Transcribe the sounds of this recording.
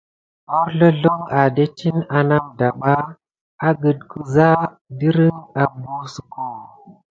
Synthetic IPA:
o˦ɾɮo˦ɮo˦ŋa˨de˦tʰi˦na˨na˦mda˨ɓa˦ | a˦ɡə˨d̚ku˨za˦ | di˦ɾi˦ŋa˨bu˦su˨ko˨

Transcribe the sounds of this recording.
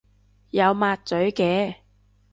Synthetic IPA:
jɐ˨˧wmaː˧t̚t͡sɵ˨˥ɥkɛː˨˧

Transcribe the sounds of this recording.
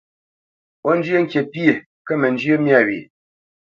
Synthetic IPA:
ɔ˦n˦d͡ʒjə˦ŋ̩˦kje˨pi˦e˨ | kə˦mə˨n˦d͡ʒjə˦mja˦˨ɥḭ˨

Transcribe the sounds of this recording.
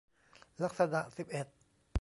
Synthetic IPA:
la˧˥k̚sa˧da˨˩ksi˨˩p̚ʔe˨˩t̪̚

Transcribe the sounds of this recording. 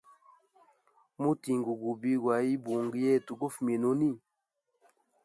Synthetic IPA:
mu˦ti˨ŋɡu˨ɡu˨bi˦ɡwa˨ji˦bo˨ŋɡjɛ˦˨tu˨ɡo˦fme˨no˦ni˦

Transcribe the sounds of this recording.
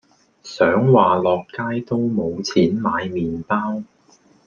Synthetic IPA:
sœː˨˥ŋwaː˨lɔː˨kːaː˥jt̪o˥wmo˨˧wt͡sʰiː˨˥nmaː˨˧jmiː˨npaː˥w

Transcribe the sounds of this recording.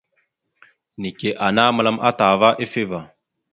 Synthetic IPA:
ni˨ke˨ʔa˨na˦mə˨la˦mʔa˦ta˨va˦ʔe˦fe˦va˨

